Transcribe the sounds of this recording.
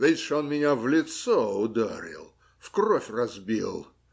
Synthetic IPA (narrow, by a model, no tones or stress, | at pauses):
d̪ejsʂonmʲɪnʲavlʲɪt̪sɔʊd̪aɾʲɪ̰lˠ | fkrɔfʲrɐzbʲḭlˠ